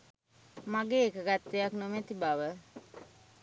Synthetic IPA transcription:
maɡeːkəɡat̪ːejaknomet̪ibaʋə

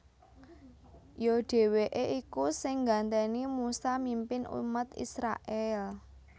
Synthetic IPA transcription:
joɖ̥e̤weʔeʔikusɪŋɡant̪ɛnimusamimpɪnṵmət̪ḭsɾa̰ʔɛl

